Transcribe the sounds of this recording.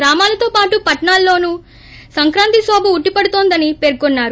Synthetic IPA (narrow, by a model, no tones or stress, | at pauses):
ɾaːmaːlɐt̪oːpaːʈupɐʈɐɳaːlːo̞ːnuː | sɐŋkɾaːnt̪isɔːbɐuʈːipɐɽut̪oːnd̪ɐnipeɾkonːaːɾu